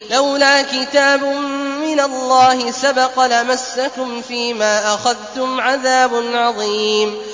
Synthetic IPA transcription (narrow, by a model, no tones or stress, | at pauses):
lawlaːkɪt̪aːbʊːɪnalːɑːhɪsabɑqɑlamasːakʊmfiːmaːʔaxaðt̪ʊmʕaðaːbʊnʕɑðˤiːm